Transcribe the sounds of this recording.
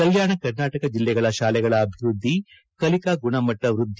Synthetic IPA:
kɐljaːɳɐkɐɾnaːʈɐkɐd͡ʒilːɛɡɐɭɐʃaːlɛɡɐɭɐːbʱiʋɾud̪ʱːi | kɐlikaɡuɳɐmɐʈːɐʋɾud̪ʱː

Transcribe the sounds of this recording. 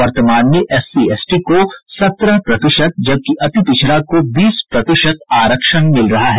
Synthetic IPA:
ʋɐɾt̪əmaːnmẽʔɛsieːsʈikosɐt̪ɾəɦpɾɐt̪ɪʃət̪̚d͡ʒɐb̚kiʔɐt̪it̪ɪʃʰɾakobiːspɾɐt̪ɪʃət̪aːɾəkʃənmɪlɾɐɦaɦɛː

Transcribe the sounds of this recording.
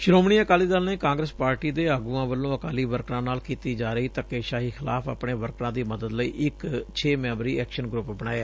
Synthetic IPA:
ʃɪɾoːmɽiːəkaːliːd̪aːlneːkãːŋɡɾəspaːɾʈiːd̪eːaːɡuːãːʋəlːõːəkaːliːʋəɾkɾãːnaːlkiːt̪iːd͡ʒaːɾəiːt̪əkeːʃaːɦiːxʰɪlaːpʰa̰ːpɳeːʋəɾkɾãːd̪iːməd̪əd̪ləḭːʔɪkt͡ʃʰeːmɛ̃ːbɾiːɛːkʃənɡɾʊpbəɽaːjaː

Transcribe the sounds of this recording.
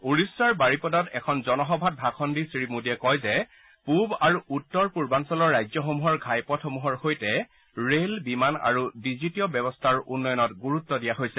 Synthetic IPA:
uɹisːaɹbaɹipɔdɔtɛ̰kʰɔnzɔnɔɦɔbʱat̚bʱakʰɔndisɹimudiɛkɔjzɛ | pubaɹuʔutːɔɹpuɹbansɔlɔɹːajzjɔxomuɦɔɹɡʱajpɔtʰxomuɦɔɹxojtɛ | ɹelbimana̰ɹudizitiɔbjɛbɔstʰaɹṵnːɔjɔnɔtɡuɹut̪ːɔdijaɦojsɛ

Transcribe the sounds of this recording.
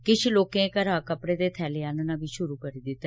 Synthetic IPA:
kɪt͡ʃʰloːkẽkəɾaːkəpɽeːd̪eːt̪ʰɛːleːaːnənãːbiːʃʊɾuːkəɾiːd̪ɪt̪ːɛ

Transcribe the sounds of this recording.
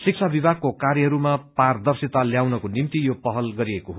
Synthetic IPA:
sik̚sʰabibʱaɡ̚kokarjʌɦʌɾumapard̪ʌrsit̪aljawnʌkonimt̪ijopʌɦʌlɡʌɾiekoɦo

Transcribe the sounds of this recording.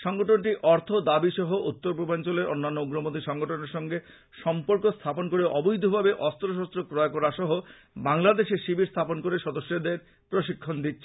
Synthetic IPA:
ʃɔŋɡoʈonʈiʔɔɾt̪ʰod̪abiʃɔɦoʔut̪ːoɾp̬ɾobant͡ɕoleɾʔonːanːouɡɾomod̪ʰiʃɔŋɡoʈoneɾʃɔŋɡe | ʃɔmpoɾkost̪ʰaponkoɾeʔɔbojd̪ʱobʱabeʔɔst̪ɾoʃ̬ɔst̪ɾokɾɔokoɾaʃɔɦo | baŋlad̪eʃeʃibʱiɾst̪ʰaponkoɾeʃɔd̪oʃːed̪eɾ | pɾoʃikʰːond̪it̪ːɕʰe

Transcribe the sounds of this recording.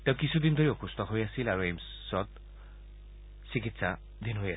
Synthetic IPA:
tɛ̃ʊ̃kisud̪indʱoɹiʊkustɔɦojasilaɹuejm | sɔt | sikitsa̰ | d̪inɦoja

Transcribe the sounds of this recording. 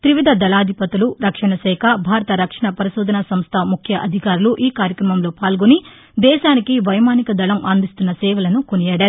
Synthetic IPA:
t̪ɾiʋɐd̪ʱɐd̪ɐlaːd̪ʱipɐt̪uluɾɐkʂɐɳɐsɛːkʰɐbʱaːɾɐt̪ɐɾɐkʂɐɳɐpɐɾiʃuːd̪ʱɐnɐsɐmst̪ʰɐmukʰjɐʔɐd̪ʱikaːɾuluʔiːkaːɾjɐkɾɐmɐmlo̞ːpaːlɡoni | d̪ɛːʃaːnikiʋɐjmaːnikɐd̪ɐlɐmʔaːnd̪ist̪unːɐsɛːʋɐlɐnukonijaːɽaːɾu

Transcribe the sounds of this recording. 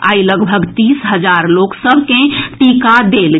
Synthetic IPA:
a̰ːiləɡbʱəɡt̪iːsɦəd͡ʒaɾloːksəbʱkẽʈikad̪eːl

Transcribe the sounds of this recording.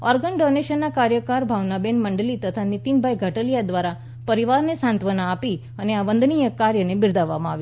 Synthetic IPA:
ɔɾɡənɖɔneɕənːakaɾjəkaɾbʱaʋnabenməɳɖəliːt̪ət̪ʰanit̪inbʱajɡʱəʈəlijad̪ʋaɾa | pəɾiʋaɾnesãnt̪ʋənaːpi | aneaʋənd̪nijəkaɾjənebiɾd̪ʱaʋamãaʋi

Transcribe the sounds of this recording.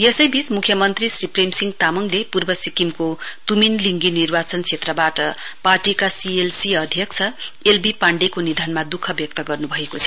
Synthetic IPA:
jesʌjbit͡smukʰːjʌmʌnt̪risripremsiŋt̪amʌŋlepurbʌsikimkot̪uminliŋɡinirbat͡sʌnt͡sʰet̪rʌbaʈʌ̰parʈikasielsiʌd̪ʱjʌkt͡sʰʌelbipaɳɖekonid̪ʱʌnmad̪ukʰːʌbjʌk̚t̪ʌɡʌrnubʱʌekot͡sʰʌ̥

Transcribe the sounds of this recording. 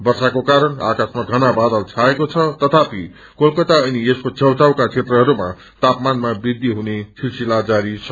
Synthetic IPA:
bʌrsakokaɾʌna̰kasmaɡʱʌnabad̪ʌlt͡sʰaekot͡sʰʌt̪ʌt̪ʰapi | kolkʌt̪aʌnieskot͡sʰʌwt͡sawkat͡sʰet̪rʌɦʌɾuma̰ | t̪apmanmabid̪ːiɦunesʰilsilad͡zaɾisʰʌ

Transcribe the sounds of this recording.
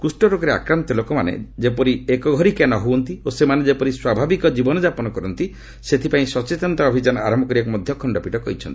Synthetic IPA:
kusʈɔɾokɔɾea̰kɾant̪ɔlokɔmanḛd͡ʒepɔɾiekɔɡʱɔɾikenɔɦowɔnt̪iosemaned͡ʒepɔɾiswabʱabikɔd͡ʒibɔnɔd͡ʒapɔnɔkɔɾɔnt̪i | set̪ʰipaĩsɔt͡ʃet̪ɔnt̪aɔbʱid͡ʒanɔa̰ɾɔmbʱɔkɔɾiekɔmɔd̪ʱjɔkʰɔɳɖɔpiʈɔkɔɦit͡ʃʰɔnt̪i

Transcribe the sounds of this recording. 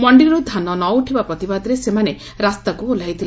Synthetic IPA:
mɔɳɖiɾud̪ʱanɔnɔuʈʰibapɾɔt̪ibad̪ɾesemane | ɾast̪akuolajt̪ʰile

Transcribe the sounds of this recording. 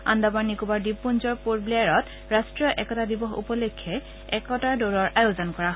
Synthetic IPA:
a̰ndabaɹnikubaɹdipːunzɔɹpuɹbliaɹɔt | ɹastɹijɔʔɛkɔtadibɔxṵpɔlekʰːɛ | ɛkɔtadoɹɔɹʔajozɔnkɔɹaɦ

